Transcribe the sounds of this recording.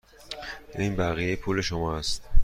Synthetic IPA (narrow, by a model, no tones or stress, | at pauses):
inbæɣijejepʰuːle̞ʃomɒːæst̪